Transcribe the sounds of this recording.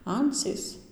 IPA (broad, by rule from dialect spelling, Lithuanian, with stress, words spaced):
ˈɐnʲt͡sʲiːs